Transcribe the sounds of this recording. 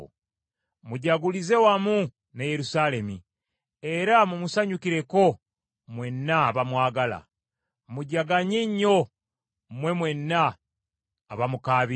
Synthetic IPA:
muɟaɡulize̞wamu | neje̞ɾusale̞mi | e̞ɾamumusaɲukiɾe̞ko̞ | mwe̞nːaːβamwaːɡala̰ | muɟaɡaɲiɲːo̞ | mwe̞mwe̞nːaː | βamukaːβi

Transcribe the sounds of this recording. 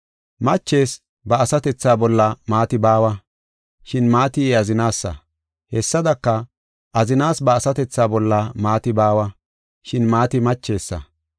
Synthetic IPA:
mɐt͡ʃːe̞ːs | bɐːsɐt̪ɛt͡sːaːbɔlːɐmaːt̪ɪbaːwɐ | ʃɪnmaːt̪ɪɛɐzɪnaːsːɐ̰ | hɛsːɐd̪ɐkːɐ | ʔɐzɪnaːsbɐːsɐt̪ɛt͡sːaːbɔlːɐmaːt̪ɪbaːwɐ | ʃɪnmaːt̪ɪmɐt͡ʃːe̞ːsːɐ̰

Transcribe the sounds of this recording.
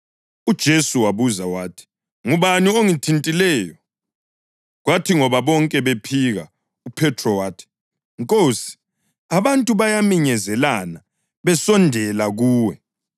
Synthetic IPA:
ud̥ʒ̥ʱesuwaβuzawaːtʰi̥ | ŋuβanioŋitʰintʼilɛːjɔ | ɣwatʰiŋɔβaβɔŋkʼɛβepʰiɣa | upʰɛtʰrɔwaːtʰi̥ | ŋkʼoːsi̥ | aβantʼuβajamiɲɛzɛlana | βɛsɔndʱɛlaɣuːwɛ

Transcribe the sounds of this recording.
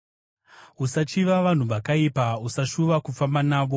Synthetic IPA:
usat͡ʃiʋaʋan̤uʋakaipausaʃuʋakufambanaːʋo̞

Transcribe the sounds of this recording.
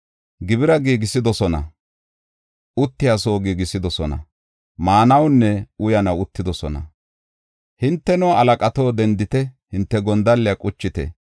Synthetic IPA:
ɡɪbɪɾɐɡiːɡɪsɪd̪ɔsɔnɐ̰ | ʊt̪ːɪjaso̞ːɡiːɡɪsɪd̪ɔsɔnɐ̰ | maːnɐwnːɛʊjɐnɐwʊt̪ːɪd̪ɔsɔnɐ̰ | hɪnt̪ːɛnɔɐlɐkʼɐt̪o̞ːd̪ɛnd̪ɪt̪ɛhɪnt̪ːɛɡɔnd̪ɐlːɪjɐkʼʊt͡ʃːɪt̪ɛ̰

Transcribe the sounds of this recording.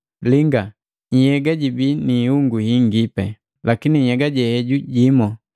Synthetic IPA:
liŋɡa | ɲjɛɡaɟibinihuŋɡuhiŋɡipɛ | lakiniɲɛɡaɟɛhɛɟuɟimɔ

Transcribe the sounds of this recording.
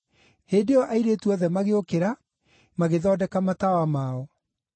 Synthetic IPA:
heːndeɔʔaiɾetuɔðɛmaɣeokeɾa | maɣeðɔːdɛkamatawamaːɔ

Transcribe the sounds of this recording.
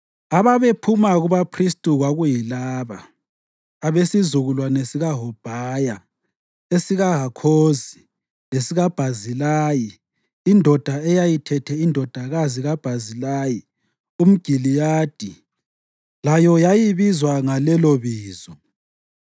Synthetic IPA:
aβaβepʰumaɣuβapʰristʼuɣwaɣujilaːβaː | βesizuɣulwanesiɣaɦɔb̥ʱaːja | esiɣaɦakʰoːzi | lesiɣab̥ʱazilaːji | indʱɔd̥ʱaɛjajitʰɛtʰɛindʱɔd̥ʱaɣaziɣab̥ʱazilaːji | um̩ɡ̥ʱilijaːd̥ʱi | lajɔjajiβizwaŋalɛloβiːzɔ

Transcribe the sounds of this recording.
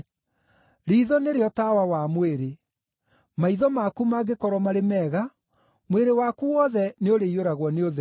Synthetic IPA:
ɾiːðɔneɾeɔtawawamweɾe | maiðɔmakumaɡekɔɾɔmaɾemɛɣa | mweɾewakuwɔðɛneoɾeioɾaɣwɔneoðɛ

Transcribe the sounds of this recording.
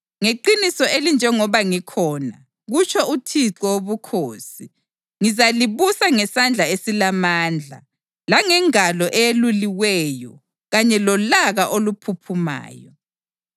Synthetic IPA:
ŋeǃinisɔelind͡ʒʱɛŋɔβaŋikʰɔːna | ɣut͡ʃʰɔutʰiǁɔwoβukʰoːsi | ŋizaliβusaŋɛsand͡ɮʱaesilamaːnd͡ɮʱa̰ | laŋɛŋalɔʔɛjeluliwɛjɔ̰ | ɣaɲɛlɔlaɣaʔolupʰupʰuma̰ːjɔ

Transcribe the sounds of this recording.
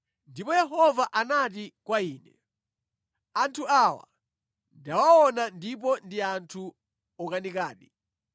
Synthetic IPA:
ndipɔjɛɦɔvaʔanatikwaiːnɛ | antʰuawa̰ | ndawaɔnandip̬ɔndiantʰu | ɔkanikaːɗi

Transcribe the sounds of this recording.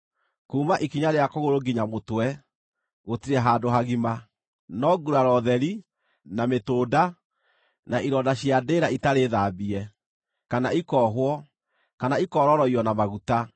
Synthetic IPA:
kuːmaʔikiɲaɾeakoɣoɾoɡiɲamotwɛ | ɣotiɾɛɦaːdoɦaɣima | nɔɡuɾaɾɔðɛɾi | nametoːda | naiɾɔdaɕjadeːɾaitaɾeðaːbiɛ | kanaikɔɦwɔ | kanaikɔɾɔɾɔiɔnamaɣuta

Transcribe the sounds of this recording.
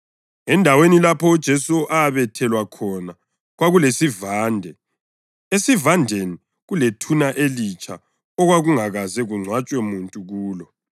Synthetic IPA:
ɛndʱawenilapʰɔud̥ʒ̥ʱɛsuʔaːβɛtʰɛlwakʰɔna | ɣwaɣulesivaːndʱɛ | esivandʱeni | ɣuletʰunaʔelit͡ʃʰʼa̰ | ɔɣwaɣuŋaɣazɛɣuŋ͡ǀʱwat͡ʃʼwɛmuntʼuɣuːlɔ

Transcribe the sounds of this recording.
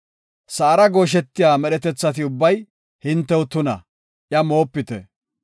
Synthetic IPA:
sɐːɾɐɡo̞ːʃ̬ɛt̪ːɪjaːmɛɗɛt̪ɛt͡sːɐt̪̬ɪʊbːɐj | hɪnt̪ːɛʊt̪ʊnɐ̰ | ʔjɐmo̞ːpːɪt̪ɛ̰

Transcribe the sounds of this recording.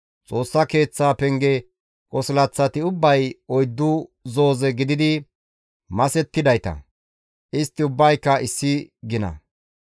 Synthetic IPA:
t͡sʼo̞ːsːɐke̞ːt͡sːaːpɛŋɡɛ | kʼɔsɪlɐt͡sːɐt̪ɪʊbːɐjɔjd̪ːʊzo̞ːzɛɡɪd̪ɪd̪ɪ | mɐsɛt̪ːɪd̪ɐjt̪ɐ̰ | ʔɪst̪ːɪʊbːɐjkːɐɪsːɪɡɪnɐ̰

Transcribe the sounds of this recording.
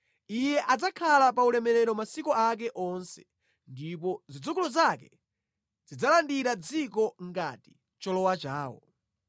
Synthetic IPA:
ijɛʔad͡zakʰalapaulɛmɛɾɛɾɔmasikɔak̬ɛʔɔnsɛ̥ | ndipɔzid͡zukulɔzakɛ | zid͡zalandiɾad͡zikɔŋɡati̥ | t͡ʃɔlɔwat͡ʃaːwɔ̰

